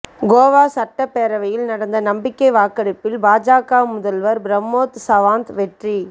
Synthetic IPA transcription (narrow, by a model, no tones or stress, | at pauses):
ɡoːʋaːsɐʈːɐpːeːɾɐʋɐjɪlnɐɽɐnd̪ɐnɐmbɪkːɐɪʋaːkɐɽɪpːɪlbaːd͡ʒaːkaːmʊðɐlʋɐɾbɾɐmːoːt̪sɐʋaːnt̪ʋɛʈri